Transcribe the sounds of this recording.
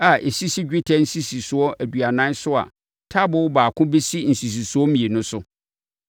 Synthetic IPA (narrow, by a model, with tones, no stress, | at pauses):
a˨ʔe˨si˦si˦d͡ʑᶣɪ˦tʰɛ˦n̩˦si˦si˨sʊ˨ɔ˦ʔæ˨du˨a˨nã˦sʊ˦a̰˨ | tʰa˦bʊ˦baː˨kʰʊ̃˦be˦si˦n̩˨si˨s̬i˨su˨˦ɔ˦mĩ˨e˨nʊ̃˦sʊ˦